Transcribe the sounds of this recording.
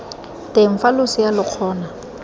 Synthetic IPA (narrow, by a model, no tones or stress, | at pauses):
teɱ̩falʊsɪjalɪq͡χʰɔːna